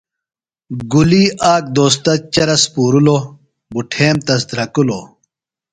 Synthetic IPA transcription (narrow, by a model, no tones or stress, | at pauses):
ɡuliːʔaːk̚d̪oːs̬t̪ɐt͡ɕɐɾɐspuːɾulo | buʈʰeːmt̪ɐsd̪ɾɐkulo